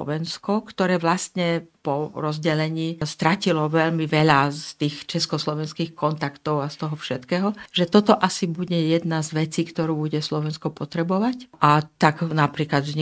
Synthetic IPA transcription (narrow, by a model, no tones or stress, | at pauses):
ɔ̰ʋɛnskɔkt̪ɔɾɛːʋlast̪ɲɛpɔɾɔzɟɛlɛɲiːst̪ɾacilɔʋɛʎmiʋɛʎast̪iːxt͡ʃɛskɔslɔʋɛnskiːxkɔnt̪akt̪ɔʊast̪ɔɦɔfʃɛt̪kɛːɦɔʒɛt̪ɔt̪ɔʔasibuɟɛjɛd̪nazʋɛt͡siːkt̪ɔɾuːbuɟɛslɔʋɛnskɔpɔt̪ɾɛbɔʋacʔat̪aɡnapɾiːklad̪zɲ